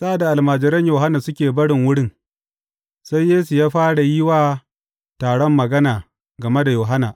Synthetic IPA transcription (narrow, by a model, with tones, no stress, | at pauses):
sa˦ʔa˨da˨ʔa˨lmaː˨d͡ʒɪ˨ɾɐ˦ɲjoː˨ɦa˦na˨sʊ˦kʲeː˨bɐ˦ɽɪ˨ŋwʊ˦ɽɪ˦ŋ | sa˦jːeː˦su˨jaː˦ɸaː˦ɽa˨jɪ˦waː˨ | taː˨ɽɔ˦mːɐ˨ɡɐ˦naː˨ | ɡɐ˨me˦da˨joː˨ɦa˦na˨ʔ